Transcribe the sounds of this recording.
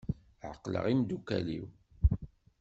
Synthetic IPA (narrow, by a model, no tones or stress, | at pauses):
ʕəqːlə̰ʁimd̪ukæliw